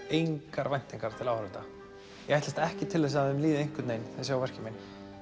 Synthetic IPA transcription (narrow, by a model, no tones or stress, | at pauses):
ejŋkaɾvajn̥t̪iŋkaɾ̥t̪ʰɪlawhɾʏt̪a | jɛɣajht̪last̪ɛhcɪt̪ʰɪlvɛs̬aðʏmliːðɪejŋ̥kwɪt̪nejnθɛsjaːwvɛr̥cɪmejn